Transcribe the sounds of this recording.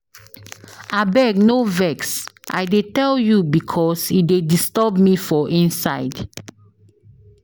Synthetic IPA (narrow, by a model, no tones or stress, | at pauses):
abɛɡ̚novɛksʔa̰ɪdetɛljubikʰɔsitdedistɔbmifɔʔĩnsaɪd